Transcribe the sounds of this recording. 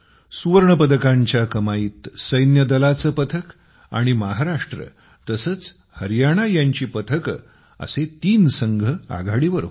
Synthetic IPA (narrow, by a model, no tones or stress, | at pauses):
suʋəɾɳəpəd̪əkãɲt͡ɕjakəmaiːt̪səjnjəd̪əlat͡səpət̪ʰək | a̰ɽ̃imaɦaɾaʂʈɾə̰ | t̪əsəːt͡s | həɾjaɽ̃ajaɲt͡ɕiːpət̪ʰək | ə̰set̪iːnsəŋɡʱəa̰ɡʱaɽiʋəɾ